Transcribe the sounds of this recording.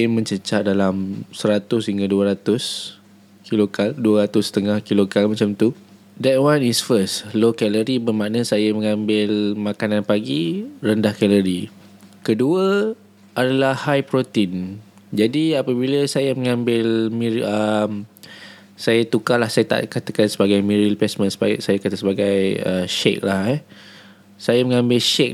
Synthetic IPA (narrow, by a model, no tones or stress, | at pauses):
mə̃ɲt͡ʃət͡ʃaʔ̚dalamsəɾat̪ʊshiŋɡaduəɾat̪ʊs | kilokalduaɾat̪ʊst̪əŋahkilokalmãt͡ʃamt̪u | dɛt̚wanisfəslokɛləɾibəmaʔnəsajamə̃ŋãmbɪlmakananpaɡiɾəndahkɛləɾi | kəduə | ʔadalahhajpɾot̪in | d͡ʒadiapəbiləsajaməŋãmbɪlmiəm | sajat̪ukalahsajat̪a̰ʔkat̪akansəbaɡajmiɾilpɛsmə̃nsəsajakat̪asəbaɡajə̰ʃḛk̚lahɛ | sajaməŋãmbɪlʃɛk̚